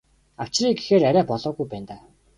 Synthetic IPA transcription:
aw̥t͡ɕriːɡexeːɾaɾʲæːpɔɮɔːɣujpæːnt̪aː

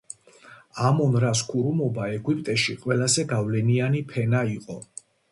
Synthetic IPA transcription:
amɔnɾaskʰuɾumɔbaɛɡwipʼt̪ʼɛʃiqʼwɛlazɛɡavlɛnianipʰɛnaiqʼɔ

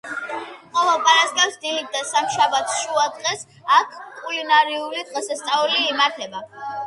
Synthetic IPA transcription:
χʼɔlɔpʼaɾaskʼɛpsd̪ilit̪̚ʰd̪asamʃabat̪ʰʃuad̪ʁɛs | akʰkʼulinaɾiuɾid̪ʁɛsɛst̪sʼauliːmaɾt̪ʰɛba

